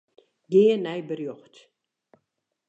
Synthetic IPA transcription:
ɡeːənɛjbərjɔxt

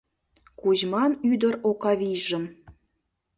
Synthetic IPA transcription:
kuʑmɑnyd̪əɾokɑβijʒə̆m

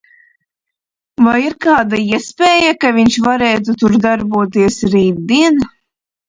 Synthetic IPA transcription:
vajiɾkaːd̪aiɛspʲɛːjakaviɲt͡ʃvaɾeːt̪̬ut̪uɾd̪aɾbuɔt̪iɛsɾiːd̪d̪iɛn

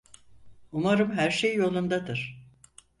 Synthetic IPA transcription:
umaɾɯmɦæɾʃejːo̞lˠund̪ad̪ɯɾ̥

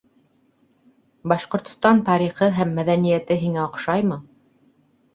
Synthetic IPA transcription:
bɑʃqŏɾt̪ŏst̪ɑnt̪ɑɾiχɤɦæmːæðænijæt̪ɘɦiŋæŏqʃɑjmɤ

